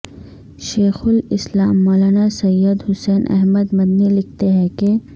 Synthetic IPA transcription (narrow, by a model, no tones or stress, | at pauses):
ʃeːxʊlɪslaːmːɔːlaːnasɐjːəd̪ɦʊsɛːnʔɛ̰ɦməd̪mɐd̪nilɪk̚ʰt̪eɦɛ̃ke